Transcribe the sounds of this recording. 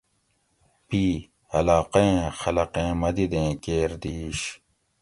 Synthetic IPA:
piː | hɐlaːqeẽːxɐlɐqẽːmɐd̪id̪ẽːkeːɾd̪iːɕ

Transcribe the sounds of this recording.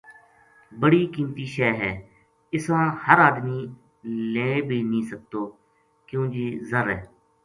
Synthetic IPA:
bəɽiːkiːmt̪iːʃɛːɦɛː | ɪsãːhəɾaːd̪miː | lẽːbʱiːnĩːsək̚t̪oː | kjõːd͡ʒiːzəɾɛː

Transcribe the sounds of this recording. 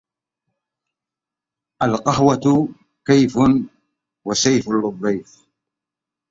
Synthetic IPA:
ʔalqɑhwat̪ | kajfʊ | wasajfʊlʊðˤːiːf

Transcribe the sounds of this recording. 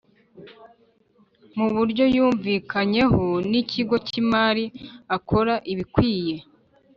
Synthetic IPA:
muβuɾɟo̞juːɱviːkʰaɲe̞honicʰiɡo̞cimaːɾiakʰo̞ɾaʔiβikwiːje̞

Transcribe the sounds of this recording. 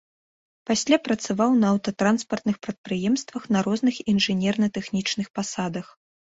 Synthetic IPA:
pasʲlʲapɾɐt̪savawnɐɐwt̪ɐt̪ɾanspɐrt̪nɨxpɾɐt̪̚pɾɨjɛmst̪vɐxnɐɾɔznɨxinʐɨnʲɛrnɐt̪ɛxnʲit͡ʂnɨxpasad̪ɐx

